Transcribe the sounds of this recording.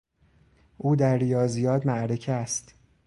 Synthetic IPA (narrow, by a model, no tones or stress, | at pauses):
ʔuːd̪æɾːijɒːzijɒːd̪mæʔɾe̞cʰæst̪